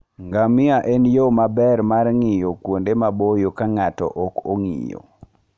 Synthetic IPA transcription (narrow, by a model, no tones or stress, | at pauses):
ŋɡamɪaʔɛnjomabɛɾmarŋɪjokwondemabojokaŋatɔ̰ʔɔkoŋḭjo̰